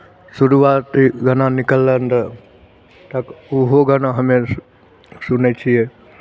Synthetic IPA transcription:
suɾuʋaːt̪ɡənanikəlːənd̪ə | t̪ɐkuɦoɡənaɦəmẽ | sunet͡ʃʰije

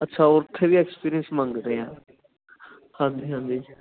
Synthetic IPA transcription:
ətːʃʰaːʊɾt̪ʰeːʋiːɛːkspiːɾiənsmə̃ŋɡɾeːãː | hãːnd͡ʒiːɦãːnd͡ʒiː

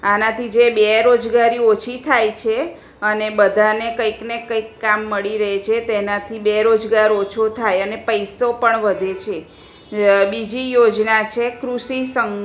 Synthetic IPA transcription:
anat̪ʰid͡ʒebeɾod͡ʒɡaɾiot͡ʃʰit̪ʰajt͡ʃʰe | ənebəd̪ʱanekəjknekəikːamːəɭiɾəɦet͡ʃʰet̪enat̪ʰibeɾod͡ʒɡaɾot͡ʃʰot̪ʰajənepəjsopəɳʋəd̪ʱet͡ʃʰe | bid͡ʒijod͡ʒnat͡ʃʰekɾuʃisəŋ

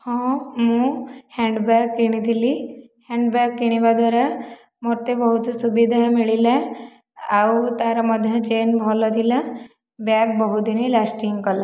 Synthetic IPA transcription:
hɔ̃mũhɛ̃ɳɖbakːiɽ̃id̪ili | hɛ̃ɳɖbakːiɽ̃iʋad̪ʋaɾa | moɾt̪ebəɦut̪subid̪ʱamiɭilɛ | awt̪aɾaməd̪ʱjəd͡ʒenbʱɔlɔd̪ila | bjak̚bɔɦut̪d̪inĩlasʈiŋɡkəla

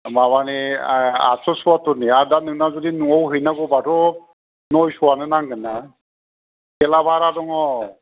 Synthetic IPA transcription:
mabania̰sʰɔsuwatɔniaɾdanɯŋnazɔdinuŋɔwɦɯjnaɡɔbatɔ | nɔjsuwanɯnaŋɡɯna | kɛlabʱaɾadɔŋɔ

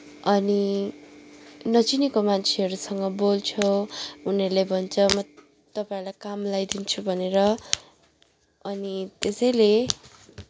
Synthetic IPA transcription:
ʌni | nʌt͡sinikomant͡sʰeɦʌɾusʌŋɡʌbolt͡sʰʌunʌɾlejbʱʌnt͡sʰʌmʌ | t̪ʌpãĩlajkamlajd̪int͡sʰubʱʌneɾʌ | ʌnit̪esʌjle

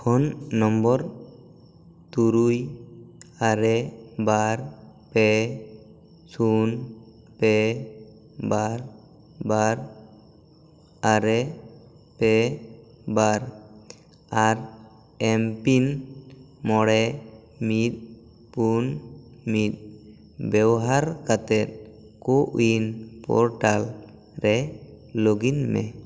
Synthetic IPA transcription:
kʰɔnːɔmbɔɾ | t̪uɾuj | aɾɛbaɾpɛ | sun | pɛ | baɾ | baɾ | aɾɛ | pɛ | baɾ | aɾ | ɛmpin | mɔɽɛ | mit̪̚ | punmit̪̚ | bɛbɦaɾkat̪ɛt̪̚ | koʔṵinpɔ̰ɾʈal | ɾɛloɡinmɛ̰

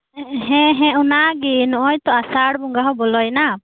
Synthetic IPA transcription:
ɦɛ̃ɦɛ̃ʔunaɡinɔʔɔjt̪ɔasaɽbɔŋɡaɦɔbɔlɔjna

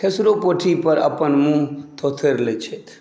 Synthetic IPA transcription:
kʰesɾopoʈʰipəɾa̰pənmũt̪ʰot̪ʰeɾlet͡ʃʰet̪ʰ

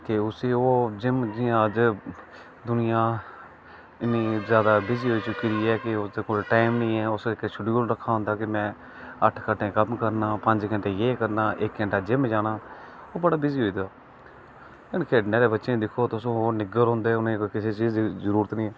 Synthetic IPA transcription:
keʊseːoːd͡ʒɪmd͡ʒɪãːd͡ʒ | d̪ʊnɪjãː | ɪniːzjaːd̪aːbɪziːɦoːiːt͡ʃʊkiːd̪iːɛːkɪʊsd̪eːkoːlʈaːɪmnĩːɛːʊsekeʃʊɖioɾəkʰːaːɦʊ̃nd̪aːkɪmɛ̃ː | əʈʰkəʈʰːẽːkəmkəɾnaːpəɲd͡ʒkəɳʈeːjeːkəɾnaːʔɪkkəɳʈaːd͡ʒɪmd͡ʒaːnaː | oːbəɽaːbɪziːɦoiːd̪aː | ɪnːkʰeːɖneːɾeːbətːʃẽːd̪ɪkʰːoːt̪osõːɦoːɾnɪɡəɾɦõːnd̪eːʊnẽːkɪseːt͡ʃiːzizəɾuːɾət̪nĩːɛː

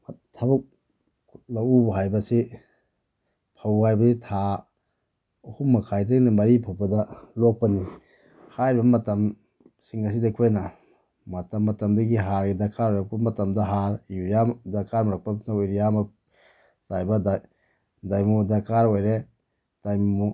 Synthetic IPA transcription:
tʰabuk̚ | lawubɐɦajbɐsi | pʰawhajbɐsitʰa | uhumːɐkʰajdenimɐɾipʰawbɐdɐlok̚pɐni | hajɾbɐmɐtɐm | siŋɐs̬idakʰojna | mɐtɐmːɐtɐmdɐɡiɦaɾɡidakʰaɾojɾak̚bɐmɐtɐmdɐɦaɾuɾijadakʰaɾmaɾak̚pannaojɾijama | z̥ajbɐda | dajmudakʰaɾojɾe | d̥ajmmu

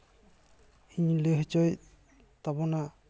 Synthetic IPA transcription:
iɲleɦt͡ʃɔj | t̪abɔna

